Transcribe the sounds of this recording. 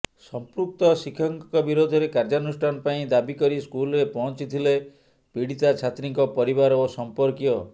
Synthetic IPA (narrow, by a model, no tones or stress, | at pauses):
sɔmpɾuk̚t̪ɔsikʰɔŋkɔkɔbiɾod̪ʱɔɾekaɾd͡ʒaɔnusʈʰanɔpaĩd̪abikɔɾiskulɔɾepɔɦɔ̃nt͡ʃit̪ʰile | piɽit̪at͡ʃʰat̪ɾiŋkɔpɔɾibaɾosɔmpɔɾkiɔ